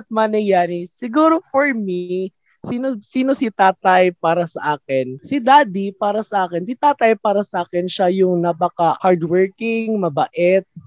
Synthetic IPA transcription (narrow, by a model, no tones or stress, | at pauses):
ɐt̪̚manɛjaːnisɪɡuːɾofoɹmi | siːnosiːnosɪt̪aːt̪ɐjpaːɾɐsɐʔaːkɛnsɪd̪aːd̪ipaːɾɐsɐʔaːkɛnsɪt̪aːt̪ɐjpaːɾɐsɐʔaːkɛnʃajʊŋnɐpakɐhaɹd̪wɛɹkɪŋmɐbɐʔɛt̪̚